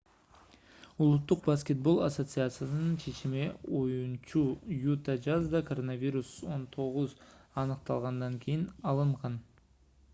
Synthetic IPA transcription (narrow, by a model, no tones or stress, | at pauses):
ulˠut̪ːuq̚baskʲe̞t̪̚bo̞lˠaso̞t̪sɨat̪sɨjasɯnɯnt͡ʃʰe̞t͡ʃimiojunt͡ʃujut̪ad͡ʒɑzd̪ɑkʰoɾo̞navʲiɾuso̞nt̪ʰo̞ʁuzɑnɯq̚t̪ɑlˠʁɑnd̪ɑŋkʲʰijinɑlˠɯɴʁɑn